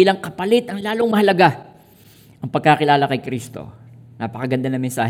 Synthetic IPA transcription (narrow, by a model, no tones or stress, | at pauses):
ilɐŋkɐpɐlɪt̪ɐŋlaːloŋmɐhɐlɐɡa | ʔɐŋpɐɡ̚kakɪlaːlɐkɐjkɾist̪o̞̰ | naːpɐkɐɡɐnd̪anɐŋmɛnsa̰ːh